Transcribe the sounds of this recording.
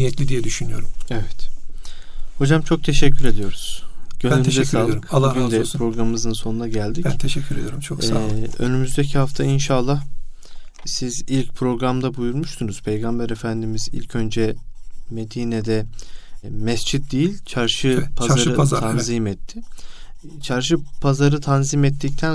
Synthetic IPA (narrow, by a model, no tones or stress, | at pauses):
nijɛt̪lʲid̪ijɛd̪yʃynyjo̞̰ɾumevɛt̪ | ho̞d͡ʒamt͡ʃʰo̞k̚t̪ʰe̞ʃɛcʲʰːyɾe̞d̪ijo̞ɾuz̥ɟ̥ønynyzɛsaːlˠɾɯkbˠuɡynd̪ɛɾo̞ɡɾammɯzɯnso̞nunaɟælʲd̪iʃɛcʰʲːyɾed̪iɾt͡ʃʰoɛø̞nymyzd̪ecʰihaft̪ʰainʃaːlˠːah | sizilʲc̚pʰɾo̞ɡɾamd̪abujuɾmuʃt̪ʰunuz̥pʰe̞jɡambæɾefænd̪imizḭlʲcʰø̞nd͡ʒɛme̞d̪iːnɛd̪ɛ | mɛsd͡ʒit̪̚d̪ijilʲt͡ʃʰaɾʃɯpʰazaɾɯt̪ʰanzimɛt̪ʰːɪ | t͡ʃʰaɾʃɯpʰazaɾɯt̪ʰanzimɛt̪ʰːict̪ʰæn